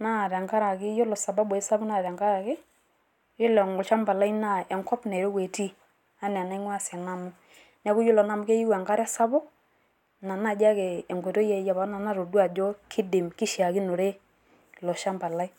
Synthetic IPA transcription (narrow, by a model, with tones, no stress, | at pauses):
na˦˨ɾa˨ŋka˦ɾa˨kɪ˦jo˦lɔ˨sa˨ba˦bɔ˨e˦sa˦bɔ˦na˦˨ɾa˨ŋɡa˦ɾa˨kɪ˦ | jo˦lɛ˨ŋɡɔ˨ʃa˦mba˨la˦i˦na˦˨ɛ˨ŋkɔ˦pne˨ɾo˦kwe˨ti˦ | a˦nɛ˨a˨na˦i˦ŋwa˦sɛ˨na˦mu˦ | nɛ˨˦ku˦jo˦lɔ˨na˦mu˦ke˦ji˦wa˨ŋka˦ɾa˦sa˦bɔ˦ | na˨na˦˨d͡ʒa˦kɛː˨ŋɡe˨to˦jɛ˦ja˨βa˨˦na˨na˦ɾo˨dwa˨d͡ʒo˦kʰi˦di˨mki˦ʃja˨ki˦no˨ɾe˦ | lɔ˨ʃa˦mba˨la˦i˦